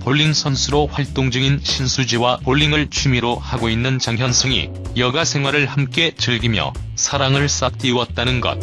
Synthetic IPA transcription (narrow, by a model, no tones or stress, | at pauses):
poɭːiŋsʰʌnsʰɯɾoɸwaɭt͈oŋd͡ʑɯɡinɕʰinsʰud͡ʑiwapoɭːiŋɯɭt͡ɕʰumiɾohaɡoinːɯnt͡ɕaŋɦjʌnsʰɯŋḭ | jʌɡasʰe̞ŋɦwaɾɯɭhamk͈e̞t͡ɕɯɭɡimjʌ̰ | sʰaɾaŋɯɭs͈ak̚t͈iwʌt̚t͈anɯnɡʌ̰t̚